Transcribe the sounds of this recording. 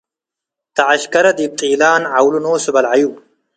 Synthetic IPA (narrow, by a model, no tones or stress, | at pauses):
t̪ɐʕɐɕkɐɾɐd̪ib̚t̪ʼiːlaːnʕawlunoːsɨbɐlʕaju